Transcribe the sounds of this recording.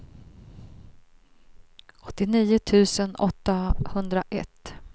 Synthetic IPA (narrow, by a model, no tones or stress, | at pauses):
ɔt̪ːɪniːʊt̪ʰʉ̟ːsənɔt̪ːahɵnd̪ɾaʔɛt̪ː